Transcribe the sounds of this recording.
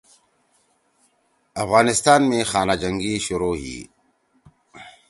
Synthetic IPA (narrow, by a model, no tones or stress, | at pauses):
ɐfɣaːnɪst̪aːnmẽxaːnad͡ʒɐ̃ŋɡiʃʊɾoːɦḭː